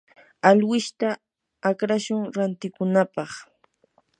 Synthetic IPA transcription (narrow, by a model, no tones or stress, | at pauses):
alwɪʃt̪aː | kɾaʃʊŋɾant̪ɪkʊnapɑχ